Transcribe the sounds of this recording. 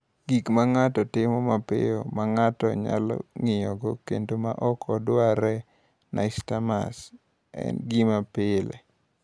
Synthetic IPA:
ɡikmaŋatɔtɪmɔmapɪ̰jomaŋatɔɲa̰lɔ̰ŋɪjɔɡɔkendomaʔɔkɔdwaɾɛ | naɪstama̰s | ɛ̰nɡimapɪlɛ̰

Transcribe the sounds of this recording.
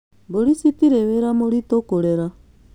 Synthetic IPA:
boɾisitiɾeβeɾamoɾitokoɾeɾa

